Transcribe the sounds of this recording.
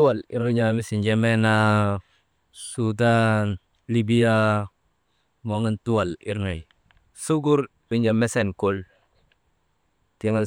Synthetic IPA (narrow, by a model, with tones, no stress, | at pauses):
u˦wa˨li˦ɾu˦ɲa˨mi˦si˨nd͡ʒe˦me˦na˦ | su˦da˦n | li˦bi˦ja˦ | mo˨ŋi˦ntu˦wa˨lḭ˦ɾna˨j | su˦ɡu˦ɾɗu˨ɲa˨mɛ˦sɛ˨nku˦l | ti˦ŋa˦l